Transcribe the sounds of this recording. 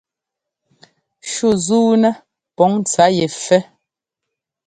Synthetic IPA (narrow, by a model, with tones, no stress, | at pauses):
ʃu˦˨zuː˦nɛ˦ | pɔ˨˦ŋ˦t͡sa˨˦je˨fɛ˦